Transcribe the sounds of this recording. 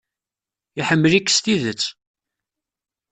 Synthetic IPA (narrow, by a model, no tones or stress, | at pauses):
iħəmːəlikːst̪iðət͡sː